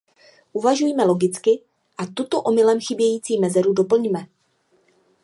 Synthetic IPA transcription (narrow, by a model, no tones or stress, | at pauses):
ʔuvaʒujmɛlo̞ɡɪt͡skɪ | ʔat̪ut̪o̞ʔo̞mɪlɛmxɪbjɛjiːt͡siːmɛzɛɾudo̞pl̩ɲmɛ